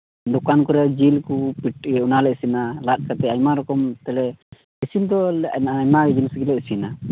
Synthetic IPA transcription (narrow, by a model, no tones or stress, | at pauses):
d̪ɔkankɔɾɛd͡ʒilkupiʈunalɛʔsinalat̪̚ˀkat̪ɛajmaɾɔkɔmt̪ɛlɛ | isind̪ɔɲmad͡ʒinsɡilɛsina